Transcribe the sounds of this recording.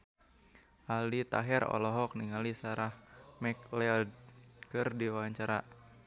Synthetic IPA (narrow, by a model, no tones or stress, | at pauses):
ʔalit̪a̰ɦɛɾɔ̰lɔɦɔk̚niŋalisaɾahmɛklɛldkɨrdiwaɲt͡ʃaɾa